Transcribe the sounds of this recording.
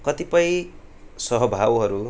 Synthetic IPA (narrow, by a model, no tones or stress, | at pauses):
kʌt̪ipʌj̃ | sʌɦʌbʱawɦʌɾu